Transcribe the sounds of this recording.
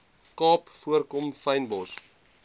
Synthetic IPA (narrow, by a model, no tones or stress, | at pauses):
kɑːpfuərkɔmfɐjnbɔs